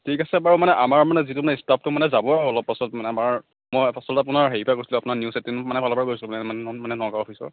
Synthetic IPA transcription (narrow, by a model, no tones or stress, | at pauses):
tʰikasɛbaɹumanɛʔamaɹmanɛzitumanɛstap̚tʊmanɛzabɔɔlɔb̚pːasɔtmanɛamaɹ | mojpasɔltɛapʊnaɹɦeɹipʰajkoɹsilʊ̃apʊnaɹnjusetinmanɛbʱalɔbaɹkoɹisilmanɛamanɛnɔkaɹɔpʰisɔ̰ɹ